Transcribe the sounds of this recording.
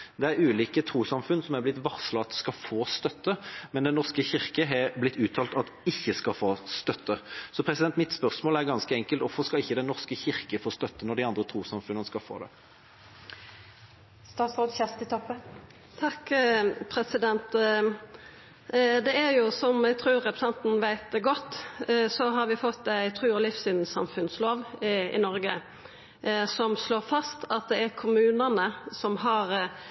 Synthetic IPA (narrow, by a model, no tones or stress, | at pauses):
d̪ɛæɾʉːliːkət̪ʰʁuːsɑmfʉnsɔmæɾblɪt̪ʋɑʁslɑt̪skɑfoːst̪œt̪ːəmɛnd̪ɛnnɔʁskəçɪʁkəɦɑblɪt̪ʰːʉːt̪ʰɑːlt̪ɑt̪ | ɪçːəskɑfoːst̪œt̪ʰːəsɔpʰɾɛsɪd̪ɛnt̪mɪt̪spœʁsmoːlæʁɡɑnskəɛŋkəlt̪ɔfɔʁskɑɪçːəd̪ɛnɔʁskəçɪʁkəfoːst̪œt̪ːənɔʁd̪ɪɑnd̪ɾət̪ʰɾuːsɑmfʉnənəskɑfo̰ːd̪ɛ̰ | st̪ɑːt̪sʁoːd̪çɛst̪ɪt̪ʰɔpːən | t̪ʰɑkpʰɾɛsɪd̪ɛnt̪ | d̪ɛæɾjʊsɔmæɪɡt̪ʰɾʉːɾɛpɾəsɑnt̪n̩ʋæɪt̪̚ɡɔt̪ːsɔɦɑɾʋɪfɔt̪ːæɪt̪ʰɾʉːɔlɪfsʏnn̩sɑ̰mfʉnsloːʋɪ̰nɔɾɡə | sɔmsloːɾfɑst̪ʰɑt̪̚d̪ɛæɾkʰʊmʉːnənəsɔmɦɑʁ